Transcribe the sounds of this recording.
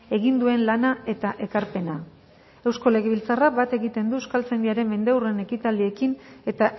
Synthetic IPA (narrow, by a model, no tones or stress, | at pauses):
e̞ɣind̪ue̞nlanae̞t̪aʔe̞kaɾpe̞na | e̞wsko̞le̞ɣe̞βilt͡sarabat̪e̞ɣit̪e̞nd̪ueskalt͡send̪iaɾe̞mːe̞nd̪ewre̞ne̞kit̪ald̪ie̞kine̞t̪a